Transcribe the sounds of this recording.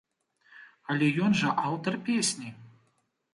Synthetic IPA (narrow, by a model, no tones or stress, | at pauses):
ɐlʲɛjɔnʐɐʔawt̪ɐrpʲesʲnʲi